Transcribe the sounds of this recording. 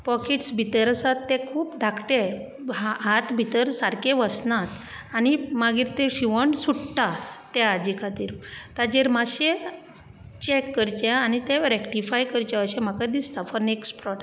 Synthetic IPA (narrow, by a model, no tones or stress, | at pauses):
pɔkeʈsbʱit̪əɾəsat̪ːɛ̃kʰuːpɖʱakʈe | ɦaɦat̪bʱit̪əɾsaɾkẽʋəsnãt̪ | animaɡiɾt̪eɕiʋəɳsuʈʈat̪ɛad͡ʑikʰat̪iːɾt̪ad͡ʑeɾmaɕe | t͡ɕɛkːəɾt͡ɕẽanit̪ẽɾɛkʈifajkəɾt͡ɕɛ̃əɕɛ̃m̤akad̪ist̪afɔɾneksʈpɾɔʈa